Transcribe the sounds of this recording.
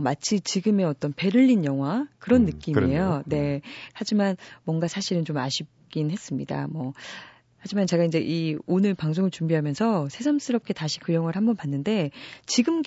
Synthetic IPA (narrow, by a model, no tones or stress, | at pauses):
mat͡ɕʰit͡ɕiɡɯme̞ʌt͈ʌnpe̞ɾɯʎːinjʌŋɦwakɯɾʌnːɯk͈imiejone̞had͡ʑimanmwʌŋɡasʰaɕʰiɾɯnt͡ɕoma̰ɕʰip̚k͈inhe̞s͈ɯmɲida̰mʌ | had͡ʑimant͡ɕe̞ɡaind͡ʑe̞ʔionɯɭpaŋs̬ʰoŋɯɭt͡ɕumbiɦamjʌnsʰʌsʰe̞sʰʌms͈ɯɾʌp̚k͈e̞taɕʰi̥kɯjʌŋɦwaɭhambʌnpanːɯnde̞t͡ɕiɡɯmɡ